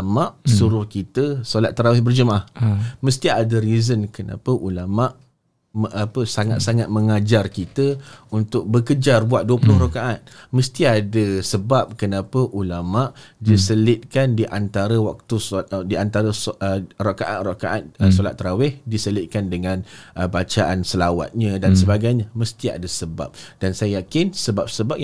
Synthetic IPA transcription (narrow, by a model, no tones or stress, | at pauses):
amaʔsuɾʊhkit̪əsolat̪ːəɾawɪhbərd͡ʒəmahməst̪iadəɾizənkəna̰pəʔulamaʔ | ʔapəsaŋa̰t̪̚saŋat̪̚mə̃ŋad͡ʒarkit̪əunt̪ʊk̚bəkəd͡ʒarbuat̪̚duəpulʊhrokaʔat̪̚məst̪iadəsəbap̚kənapəʔulamaʔdisəlɪt̪̚kandiʔant̪aɾəwak̚t̪udiant̪aɾəsərakaʔa̰t̪̚rakaʔat̪̚solat̪ːɾawɪhdisəlɪt̪̚kandəŋãnʔəbat͡ʃaʔansəlawa̰t̪̚ɲãdansəbaɡajɲaməst̪ia̰dasəba̰p̚d̥ansajajakɪnsəbap̚səbap̚